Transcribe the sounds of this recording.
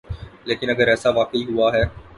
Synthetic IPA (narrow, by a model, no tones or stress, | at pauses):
leːkɪnɐɡəɾɛːsaʋaːkəiɦʊaɦɛː